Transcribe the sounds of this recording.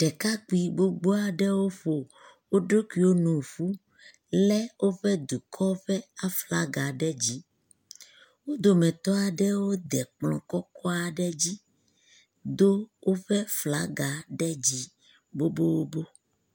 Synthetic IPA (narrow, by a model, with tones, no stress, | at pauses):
ɖ̥ɛ˨ka˦k͡pi˨bo˦ɡ͡bo˦a˨ɖɛ˦wo˦ɸo˨ | wo˦ɖo˦ki˨wo˦nũ˨ɸu˦ | lɛ˦wo˦ɸɛ˦d̪u˨kʰɔ˦ɸɛ˦a˨fla˦ɡa˨ɖɛ˦d͡ʑi˦ | wo˦d̪o˨mɛ̃˨t̪ɔ˦a˨ɖɛ˦wo˦d̪ɛ˨k͡plɔ̰̃˨kɔ˦kɔ˦a˨ɖɛ˦d͡ʑi˦ | d̪o˦wʔo˦ɸɛ˦fla˦ɡa˨ɖɛ˦d͡ʑi˦ | bo˦bo˦wo˦bo˦